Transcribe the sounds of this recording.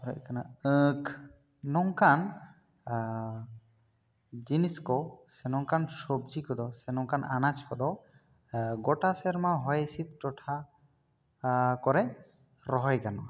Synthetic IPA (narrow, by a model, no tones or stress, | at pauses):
pɾɔɛkanaək | nɔŋkan | d͡ʒiniskɔsɛnɔŋkansobd͡ʒikɔd̪ɔsɛnɔŋkananat͡ʃkɔd̪ɔ | ɡɔʈasɛɾmaɦɔjsit̪̚ʈɔʈʰa | kɔɾɛ | ɾɔɦɔjɡanɔ̰